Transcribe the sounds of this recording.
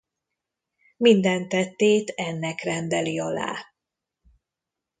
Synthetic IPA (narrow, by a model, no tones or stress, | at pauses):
mind̪ɛnt̪ːɛt̪ːeːt̪ɛnːɛkrɛnd̪ɛliɒla̰ː